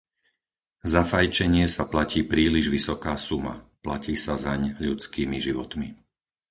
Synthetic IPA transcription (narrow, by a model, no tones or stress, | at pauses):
zafajt͡ʃɛɲɪɛsaplaciːpɾiːliʒʋisɔkaːsuma̰placiːsazaɲʎut͡skiːmiʒiʋɔt̪mi